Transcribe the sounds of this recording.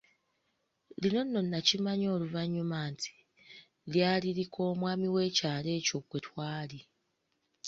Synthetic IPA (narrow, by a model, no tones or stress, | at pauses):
lino̞nːo̞nːacimaɲo̞ːluvaɲːumaːntʰi̥ | ljaːliɾikʰo̞ːmwaːmiwe̞ːcaːle̞ːco̞kwetwaːli